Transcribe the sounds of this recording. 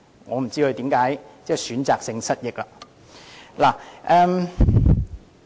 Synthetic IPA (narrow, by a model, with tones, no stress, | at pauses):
ŋɔː˨˧m̩˨˩t͡siː˥kʰɵ˧ɥt̪iː˨˥mkaː˨˥j | t͡sɛː˥˩jsyː˨˥nt͡saː˨k̚sɪ˧ŋsɐ˥t̚jɪ˨k̚la˧ | laː˨˩ʔɛː˨˧m